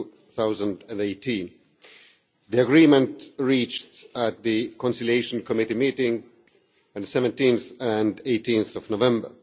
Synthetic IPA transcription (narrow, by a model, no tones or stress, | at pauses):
θaʊzə̃ndɨ̃neɪtʰĩn | ðiəɡɹĩmə̃ntɹiːt͡ʃtət̪̚ðɨkʰɔ̃nsɪlieɪʃnkʰɔmɪɾimiːɾɪ̃ŋ | ɨ̃nðəsɛvə̃ntĩnθɨ̃ndeɪtĩnθɔvnovɛ̃mbə̰˞